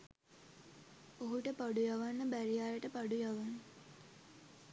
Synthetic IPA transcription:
oɦuʈəpaɖujaʋanːəbæɾijaːjəʈəpaɖujaʋanːə

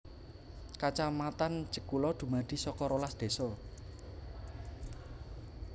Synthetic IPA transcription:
kat͡ʃamat̪and͡ʒəkulɔd̪̥ṳmad̪̥i̤sɔkɔɾolasd̪̥e̤sɔ

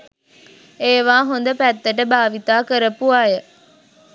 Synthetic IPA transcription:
eːʋaːɦond̪əpæt̪ːəʈ̬əbaːʋit̪aːkəɾəpuaːjə

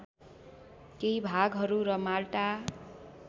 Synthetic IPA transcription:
keɦibʱaɡɦʌɾuɾʌmalʈa

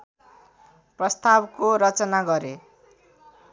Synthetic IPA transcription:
prʌst̪abkoɾʌt͡sʌnaɡʌɾe

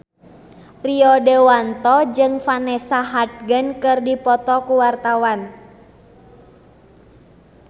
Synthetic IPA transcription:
riɔdewant̪ɔd͡ʒɨŋfanɛsaɦat̪̚ɡənkɨrdipɔt̪ɔkuwart̪awan

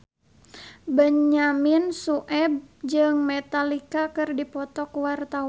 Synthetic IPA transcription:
bəɲaminsuʔɛb̚d͡ʒɨŋmɛt̪alikakɨrdipɔt̪ɔkuwart̪a

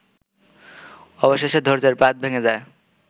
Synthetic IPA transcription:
ɔboʃeʃed̪ʱoɾd͡ʑeɾpat̪̚bʱeŋed͡ʑae

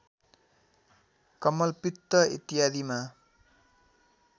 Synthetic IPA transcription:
kʌmʌlpit̪ːʌḭt̪ijad̪ima

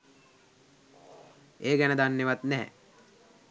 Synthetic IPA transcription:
eːɡɛnəd̪anːeʋat̪nɛɦ

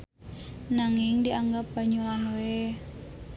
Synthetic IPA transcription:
naŋɪŋdiʔaŋɡap̚b̥a̤ɲulanwe

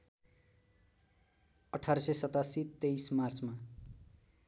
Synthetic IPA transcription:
ʌʈʰaɾʌsʌsʌt̪asit̪ejsmart͡sma

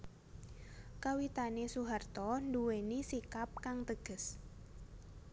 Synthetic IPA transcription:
kawit̪anesuɦart̪ɔnduwenisikap̚kaŋt̪əɡ̥ə̤s

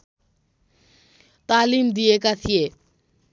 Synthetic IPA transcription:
t̪aːliːmd̪iekat̪ʰije

